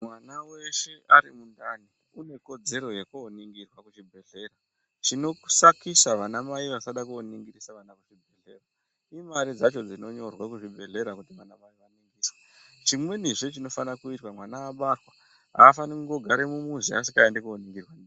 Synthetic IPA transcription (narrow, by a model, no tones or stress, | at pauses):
mwanawe̞ʃe̞ʔaɾimundani | une̞ko̞d͡ze̞ɾo̞jekuoniŋɡirwakuʐibʱe̞ɮe̞ɾa | t͡ʃino̞ku̥sakisaʋanamaiʋasaɗakuoniŋɡirisaʋanakuʐibʱe̞ɮe̞rwa | imaɾid͡zat͡ʃo̞d͡zino̞ɲo̞rwakuʐibʱe̞ɮe̞ɾakutiʋanamaiʋaniŋɡiːswḁ | t͡ʃimwe̞niʐet͡ʃino̞fanakuitwamwanaːɓarwa | ɦa̰ːfanikuŋɡo̞ɡʱaɾemumuziasikaendekuoniŋɡirwan